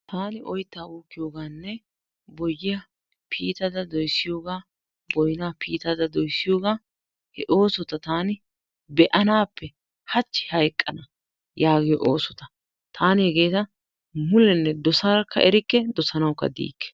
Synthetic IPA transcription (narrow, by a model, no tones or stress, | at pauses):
t̪aːnɪʔɔjt̪ːaːuːkːɪjo̞ːɡaːnːɛ | bɔjːɪjɐ | pʰiːt̪ɐd̪ɐd̪ɔjsːɪjo̞ːɡaː | bɔjnaːpiːt̪ɐd̪ɐd̪ɔjsːɪjoːɡaː | hɛʔo̞ːsɔt̪ɐt̪aːnɪ | bɛʔɐnaːpːɛ | hɐt͡ʃːɪ̥hɐjkʼːɐnɐ | jaːɡɪjɔʔoːsɔt̪ɐ | t̪ʰaːnhɛɡe̞ːt̪ɐ | mʊlɛnːɛd̪ɔsɐɾɐkːɐ̰ʔɛɾɪkːɛd̪ɔsɐnɐwkːɐ̰d̪ḭːkːɛ̥